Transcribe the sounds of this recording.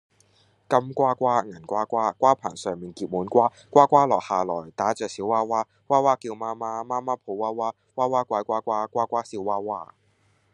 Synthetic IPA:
kɐ˥mkʷaː˥kʷaː˥ŋɐ˨˩nkʷaː˥kʷaː˥kʷaː˥pʰa̰ː˨˩nsœː˨ŋmiː˨nkiː˨p̚muː˨˥nkʷaː˥ | kʷaː˥kʷaː˥lɔː˨˩haː˨lɔː˨˩jt̪aː˨˥t͡sœː˨k̚siː˨˥waː˥waː˥ | kwaː˥waː˥kiː˧wmaː˥maː˥maː˥maː˥pʰo˨˧˥waː˥waː˥ | waː˥waː˥kʷwaː˧˥jkʷaː˥kʷaː˥kʷaː˥kʷaː˥si˨˧˥waː˥waː˥

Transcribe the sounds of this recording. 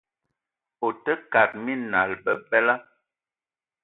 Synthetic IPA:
o˨tə˦ka˨t̚mi˦na˨lbə˨bɛ˦la˦

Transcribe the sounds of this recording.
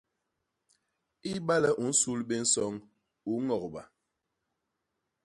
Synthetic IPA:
i˦ba˦lɛ˦ʔu˨˦n̩˦su˦lbe˦n̩˦sɔ˦ŋ | u˨˦ŋɔ˨kba˨

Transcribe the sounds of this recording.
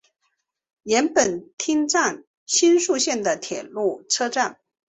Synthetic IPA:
jɛ˧˥npə˨˩nt̪ʰi˥ŋʈ͡ʂa˥˩n | ɕi˥nʂu˥˧ɕjɛ˥˩nd̪ə˩t̪ʰjɛ˨˩lu˥˩ʈ͡ʂʰɤ˥ʈ͡ʂa˥˩n

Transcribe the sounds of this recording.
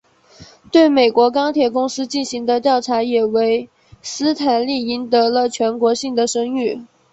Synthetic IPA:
t̪we˥˩ɪme˨˩ɪkwɔ˧˥kɑ˥ŋt̪ʰjɛ˨˩kʊ˥ŋsɹ̩˥t͡ɕi˥˩nɕi˧˥ŋd̪ə˧t̪jɑ˥˩ʊʈ͡ʂʰa˧˥jɛ˨˩we˧˥ɪ | sɹ̩˥t̪ʰa˨˩nli˥˩i˧˥nt̪ɤ˧˥lə˧t͡ɕʰɥɛ˧˥nkwɔ˧˥ɕi˥˩ŋd̪ə˩ʂɤ˥ŋy˥˩

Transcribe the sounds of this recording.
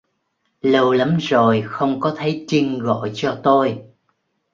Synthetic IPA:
lə˧wla˨˦mzo˨˩jxə˧wŋ͡mkɔ˨˦t̪ʰə˨˦jt͡ɕi˧ŋɣo̰˧˩˨jt͡ɕɔ˧t̪o˧j

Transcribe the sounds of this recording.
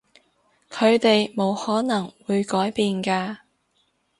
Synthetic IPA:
kʰɵ˨˧ɥt̪e˨jmo˨˧whɔː˨˥nɐ˨˩ŋwuː˨˧jkɔː˨˥jpiː˨nkaː˧

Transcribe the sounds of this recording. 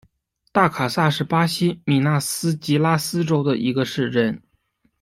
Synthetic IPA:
t̪a˥˩kʰa˨˩sa˥˧ʂɻ̩˥˩pa˥ɕi˥mi˨˩na˥˩sɹ̩˥t͡ɕi˧˥la˥sɹ̩˥ʈ͡ʂo˥ʊd̪ə˨ʔi˧˥ɡə˧ʂɻ̩˥˧ʈ͡ʂə˥˩n

